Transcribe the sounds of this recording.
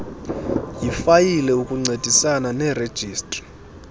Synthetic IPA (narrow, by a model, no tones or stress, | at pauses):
jifajilɛukʼuŋ͡ǀed̥ʱisananɛred̥ʒ̥ʱiːstʼri̥